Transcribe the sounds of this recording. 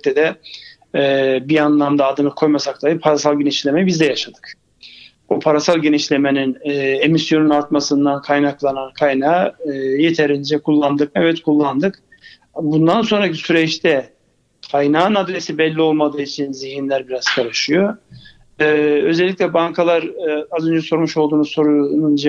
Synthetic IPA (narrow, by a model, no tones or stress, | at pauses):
lʲiclʲɛd̪ɛ | bianlˠamd̪aːd̪ɯnɯkʰo̞jmasaklˠajɯpʰaɾasalˠɟe̞niʃlʲe̞mɛbizd̪ɛjaʃad̪ɯ̥k | upʰaɾasalˠɟe̞niʃlʲe̞meninːe̞misjo̞nunaɾt̪masɯnd̪ankʰajnaklˠanankʰajnaje̞t̪ʰeɾind͡ʒɛkʰulˠːand̪ɯkɛvɛt̪kʰulˠːand̪ɯk | bund̪anso̞nɾacisyɾɛt͡ʃt̪ʰɛ | kʰajnaːnad̪ɾesibɛlʲːio̞lˠmad̪ɯːit͡ʃʰinziɦinlʲæɾbiɾaz̥kʰaɾɯʃɯjo̞ | ø̞zɛlʲːicʲlʲɛbaŋkʰalˠaɾazø̞nd͡ʒɛso̞ɾmuʃolˠd̪uːnuso̞ɾunund͡ʒ